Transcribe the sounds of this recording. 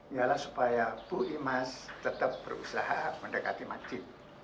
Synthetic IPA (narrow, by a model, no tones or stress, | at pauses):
ialahsu̥pajabuʔimast̪ət̪ap̚bərṵsaɦaməndəka̰t̪imad͡ʒɪt̪̚